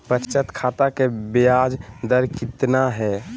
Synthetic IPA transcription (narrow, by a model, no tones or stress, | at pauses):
pət͡ʃt͡ʃət̪kʰat̪akebijad͡ʒd̪əɾkit̪naɦɛ